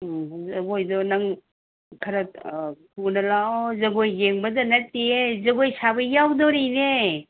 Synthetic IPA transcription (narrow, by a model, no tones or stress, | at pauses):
zɐɡojdɔnɐŋ | kʰɐɾɐpʰunɐlaɔzɐɡojɡeŋbɐdɐnɐtːiezɐɡojsabɐjawdɔɾine